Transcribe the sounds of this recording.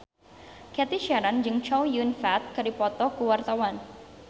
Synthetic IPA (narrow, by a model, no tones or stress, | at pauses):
kɛt̪iʃaɾand͡ʒɨŋt͡ʃɔwjunfat̪̚kadipɔt̪ɔkuwart̪awan